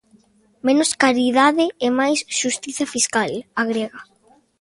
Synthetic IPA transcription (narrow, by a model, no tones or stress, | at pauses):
mẽnʊskaɾiðaðɪemajsʃust̪iθafiskalaɣɾeɣa